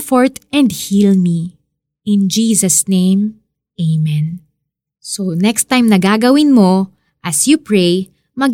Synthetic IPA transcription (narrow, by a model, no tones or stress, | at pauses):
foɹt̪ɛ̃nd̪hilmi | ɪ̃nd͡ʒiːsɐsnẽjm | eɪmɛ̃n | sonɛkst̪ːãjmnɐɡaːɡɐwɪnmo̞ | ʔɐsjupɹej | mɐ